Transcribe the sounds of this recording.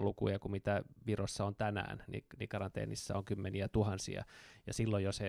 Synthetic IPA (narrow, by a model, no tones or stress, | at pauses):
lukujɑkumit̪æʋirosːɑont̪ænæ̰ːnnḭnikɑrɑnt̪ḛːnʔḭsːæ̰oŋkymːeniæt̪uhɑnsḭɑ̰jɑsilːojjose